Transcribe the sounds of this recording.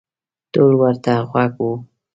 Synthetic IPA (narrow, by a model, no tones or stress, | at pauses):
t̪olwəɾt̪aɣwaɡwu